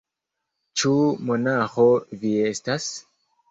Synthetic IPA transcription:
t͡ʃumo̞naxo̞vie̞stas

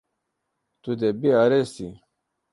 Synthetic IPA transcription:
t̪ud̪ebiaɾesi

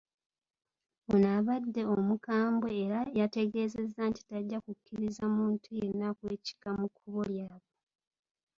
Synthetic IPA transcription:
onaβadːe̞o̞mukaːmbwe̞ːɾajate̞ɡe̞ːze̞zːanti̥taɟːakukːiɾizamuːntʰuje̞nːakwe̞ːci̥kamukʰːuβoljaːβoe

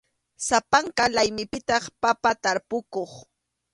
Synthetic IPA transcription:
sapaŋkalajmɪpɪt̪ɑχpapat̪aɾpʊkoχ

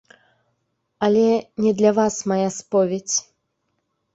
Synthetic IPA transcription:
alʲɛnʲɛd̪lʲavasmajaspɔvʲet͡sʲ

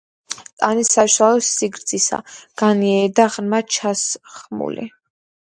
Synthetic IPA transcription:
t̪ʼanisaʃualˠɔsiɡɾt̪sʰʼisa̰ɡ̥aniɛd̪aʁɾmat͡ʃʰasχmṵlḭ

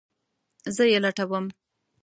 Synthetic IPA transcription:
zəjelaʈawəm

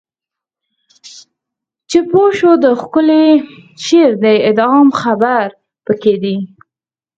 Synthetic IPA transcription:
t͡ʃepoʃod̪əxkʊleʃeɾd̪ajɪd̪ɑmxabaɾ | pəked̪i

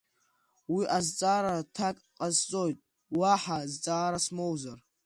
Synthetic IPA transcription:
wiʔazt͡sʼaːɾatʰakʼqʼazt͡sʼojtʼ | waħazt͡sʼaːɾasmowzar

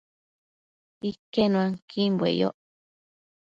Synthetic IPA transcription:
ikenũãŋkʰimbwḛjo̰ʔ

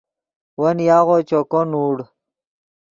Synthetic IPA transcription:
wɐnjaːɣot͡ɕokonuːɽ

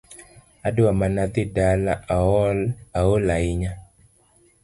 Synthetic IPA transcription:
aduwamanad̪ɪdalaʔaaolaɪɲa

